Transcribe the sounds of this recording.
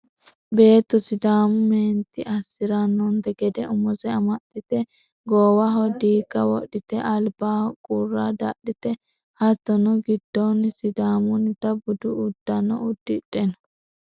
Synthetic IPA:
be̞ːt̪ːɔsɪd̪aːmʊmeːnt̪ɪʔɐsːɪɾɐnːɔnd̪ɛɡɛd̪ɛʊmɔzɛɐmɐtːɪt̪ɛ | ɡoːwɐɦɔd̪iːkːɐwɔ̰ɗɪt̪ɛʔɐlbaːhkʼurːaːd̪ɐ̰ɗɪt̪ɛ | hɐt̪ːɔnɔɡɪd̪̥ːɔnːsɪd̪aːmʊnɪt̪ɐbʊd̪ʊʊd̪ːɐnɔ̰ʊd̪ːɪᶑɛnɔ

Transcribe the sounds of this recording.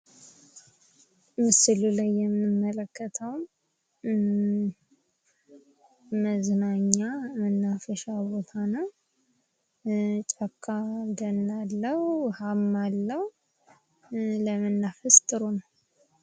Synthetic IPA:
mɨsɨlulajːɛmɨnɨmːələkʰːət̪ʰəwm | məznaɲːamənːafəʃabo̞t̪ʰanəw | t͡ʃʼəkʰːad̪ənːalːəhhamːalːəhu | ləmənːafəst̪ʼɨɾonəw

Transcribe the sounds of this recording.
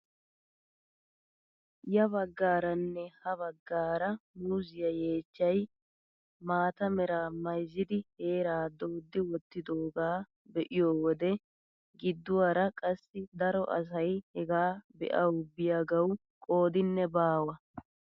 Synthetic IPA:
jɐβɐɡːaːɾɐnːɛhɐβɐɡːaːɾɐmʊzɪjɐje̞ːt͡ʃːɐj | maːt̪ɐmɛɾaːmɐjzːɪd̪ɪhe̞ːɾaːd̪o̞ːd̪ːɪwɔt̪ːɪd̪oːɡaː | bɛʔɪjoːwɔd̪ɛ | ɡɪd̪ːʊwaːɾɐkʼɐsːɪd̪ɐɾɔʔɐ̰s̬ɐjhɛɡaːbɛ̰ʔɐwbɪjaːɡɐw | kʼo̞ːd̪ɪnːɛbaːwɐ

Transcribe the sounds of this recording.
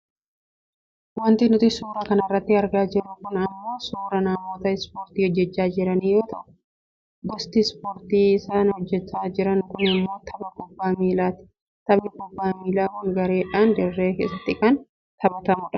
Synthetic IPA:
wɐnt̪ɪnʊt̪ɪsuːɾaːkɐnɐɪrːɐt̪ːɪɐɾɡaːd͡ʒɪrːʊkʊnɐmːo̞ːsuːɾɐnaːmːɔːt̪ɐɪspoːɾt̪iːhɔd͡ʒːɛt͡ʃːaːd͡ʒɪɾɐniːjo̞ːt̪ɐʔʊ̥ | ɡɔst̪ispoːɾt̪iːɪsaːnhɔd͡ʒːɛt͡ʃːaːd͡ʒɪɾɐnkʊnɐmːo̞ːt̪ʰɐbɐkɔbːaːmiːlaːt̪ɪ̥ | t̪ɐbnɪkɔbːaːmiːlaːkʊŋɡɐɾe̞ːᶑaːnd̪ɛrːeːkeːsːɐt̪ːɪkɐn | t̪ɐbɐt̪ɐmʊᶑɐ̥

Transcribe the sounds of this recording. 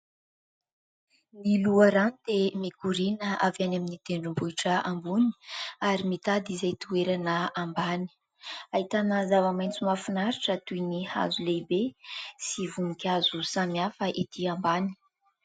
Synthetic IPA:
niluəɾand̪̥emikuɾinəavanaminit̪eɳɖ͡ʐumbuiʈ͡ʂəambuni̥aɾimit̪ad̪izajt̪ueɾanəambani̥ | aɦit̪anəzavəmajnt͡sumafinaɾiʈ͡ʂət̪ujniha̰zuleibesivuŋikʲazusamiafəʔit̪ʰiambani̥

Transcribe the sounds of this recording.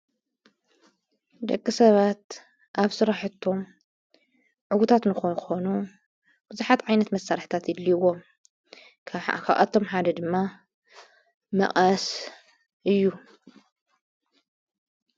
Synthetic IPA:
d̪ɐkʼːɨsɐβat̪̚ | ʔaβsɨɾaħɨt̪ʰːo̞m | ʕʊwut̪ʰat̪nɨxonɨxo̞nu | b̥ɨzuħat̪ʕajnɐt̪mɐsːaɾħt̪ʰat̪jɪlːiwo̞m | kʰaβʔa̰t̪ʰːo̞mħad̪ɐd̪ɨmːa | mɐ̰χʼɐs | ʔɨjːu

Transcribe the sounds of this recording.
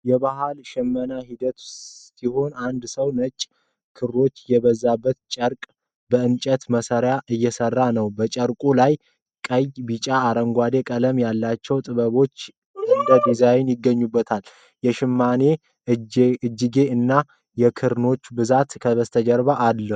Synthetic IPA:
jɛβaɦalʃɛmːənahid̪ət̪siɦo̞nand̪səwnət͡ʃʼː | kʰɨɾɾo̞t͡ʃːjɛβəzːabːət̪t͡ʃʼəɾkʼ | bəɨnt͡ʃʼət̪məsəɾjaʔɨjːɛsərːanəwbət͡ʃʼəɾkʼulaj | kʼəjbit͡ʃʼaːɾəŋɡʷad̪e̞kʼələmjalːat͡ʃːɛwt̪ʼɨβəβo̞t͡ʃː | ɨnd̪əd̪izawɪnjɪɡːəɲːubːət̪ʰal | jɛʃɪmːane̞ | ɨɨd͡ʒːɪɡe̞ɨnːa | jɛkʰɨɾno̞t͡ʃːbɨzat̪kʰəβəst̪ʰəd͡ʒəɾβaʔːlːə

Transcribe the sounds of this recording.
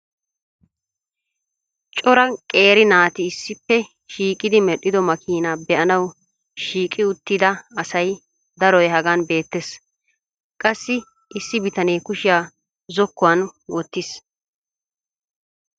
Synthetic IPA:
t͡ʃʼɔɾɐkʼe̞ːɾɪnaːt̪ɪːsːɪpːɛ | ʃiːkʼɪd̪ɪmɛɗːɪd̪ɔmɐkʰiːnaːbɛʔɐnɐw | ʃiːkʼɪʊt̪ːɪd̪ɐɐsɐj | d̪ɐɾɔjɦɐɡaːnbe̞ːt̪ːes | kʼɐsːɪ | ʔɪsːɪbɪt̪ɐneːkʊʃɪjaː | zɔkːʊwɐnwɔt̪ːɪs

